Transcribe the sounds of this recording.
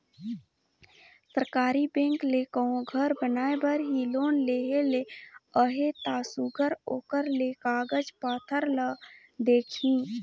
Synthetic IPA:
səɾkaːɾibẽːŋklekəõɡʱəɾbənaːebəɾɦiloːnleːɦeleəɦet̪aːsuɡʱəɾoːkəɾlekaːɡəd͡ʒpaːt̪ʰəɾlə | d̪eːkʰĩː

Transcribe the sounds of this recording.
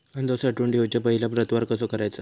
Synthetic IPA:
and̪osaʈuːɳɖʱiot͡ɕjapəɦilapɾət̪ʋaɾkəsokəɾajt͡sə

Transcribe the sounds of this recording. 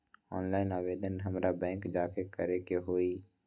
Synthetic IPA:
ɔːnlaːɪnaːʋeːd̪ʱənɦəmɾabɛ̃ːŋkd͡ʒaːkekəɾekeɦoːi

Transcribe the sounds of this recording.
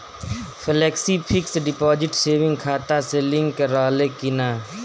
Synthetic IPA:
pʰɪlɛːksipʰɪksɖɪpɔːd͡ʒɪʈseːʋɪ̃ŋɡkʰaːt̪aselɪ̃ŋɡkəɾaːlekɪnaː

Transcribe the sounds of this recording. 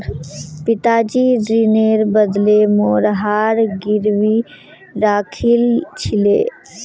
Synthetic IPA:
pɪt̪aːd͡ʒiːɾineːɾbəd̪lemoːɾɦaːɾɡɪɾwi | ɾaːkʰɪlt͡ʃʰɪlḛː

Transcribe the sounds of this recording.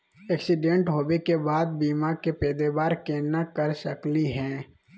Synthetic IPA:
ɛːksɪɖẽɳʈɦoːbekebaːd̪̚biːmakepɛːd̪ebaːɾkeːnakəɾsəkliɦɛ̃ː

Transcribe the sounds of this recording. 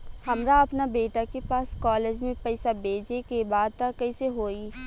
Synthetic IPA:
hɐmɾaɐpnabeːʈakepaːskɔːleːd͡ʒmẽpɛɪsabeːd͡ʒekebaːd̪̚t̪akɐiseɦoːi

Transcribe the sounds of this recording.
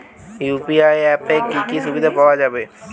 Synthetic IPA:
juːpiaːjɛːpekːikisʊbɪd̪ʱapaad͡ʒaːbeː

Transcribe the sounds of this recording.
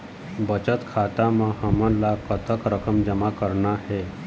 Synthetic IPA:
bət͡ɕət̪kʰat̪amãhəmãlakət̪əkɾəkəmd͡ʑəmakəɾɳahe

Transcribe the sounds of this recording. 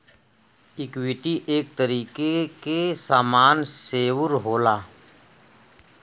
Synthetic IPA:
ɪkwɪʈiʔeːk̚t̪əɾiːkekesaːmaːnseːwʊɾɦoːlaː

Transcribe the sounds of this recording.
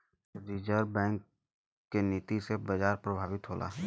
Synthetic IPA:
ziːd͡ʒəɾbɛ̃ːŋk̚ː | eniːt̪isebɐd͡ʒaːɾpɾəbʱaːʋɪt̪ɦoːlʔa̰ːɦ

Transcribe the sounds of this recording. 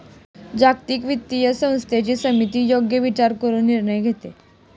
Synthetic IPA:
d͡ʑakt̪iːkʋit̪ːijəsə̃w̃st̪ʰjet͡ɕiːsəmit̪iːjoɡjəʋit͡ɕaɾkəɾuːnnːiɾɳəjɡʱet̪ḛ

